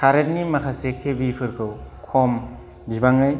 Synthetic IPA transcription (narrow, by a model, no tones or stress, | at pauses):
kʰaɾet̚nimakʰasekʰːebipʰɯɾkʰɯwkʰɔm | bibaŋaj